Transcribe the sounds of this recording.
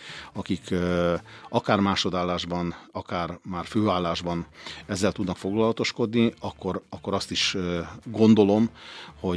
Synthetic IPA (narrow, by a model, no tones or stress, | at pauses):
ɒkik | ɒkaːrmaːʃo̞d̪aːlːaːʒbɒnɒkaːrmaːrføːaːlːaːʒbɒnɛzːɛlt̪ud̪nɒkfo̞ɡlɒlɒt̪o̞ʃko̞d̪niɒkːo̞ɾɒkːo̞ɾɒst̪iʃɡo̞nd̪o̞lo̞mho̞